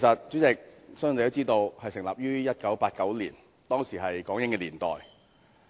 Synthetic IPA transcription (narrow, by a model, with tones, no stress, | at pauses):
kʰsɐ˨t̚t͡ʃyː˨˥t͡sɪ˨k̚sŋː˥˨jto˥wt͡siː˥t̪o˧whɐ˨jsɪ˨˩ŋla̰ː˨p̚jyː˥jɐ˥t̚kɐ˨˥wpaː˧t̚kɐ˨˥wlḭː˨˩n | t̪ɔː˥ŋsiː˨˩ɦɐ˨jkɔː˨˥ŋjɪ˧˥ŋkɛː˧liː˨˩nt̪ɔ̰ː˨˩j